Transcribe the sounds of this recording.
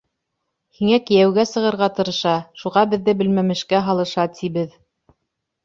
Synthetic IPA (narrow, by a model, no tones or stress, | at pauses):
hiŋækɘ̆jæwɡæsɤ̆ʁɤ̆ɾʁɑt̪ɤ̆ɾɤ̆ʃɑʃuʁɑbɘ̆ðːɘbɘ̆lmæmɘ̆ʃkæɦɑlˠɤ̆ʃɑt̪ʰiβɘð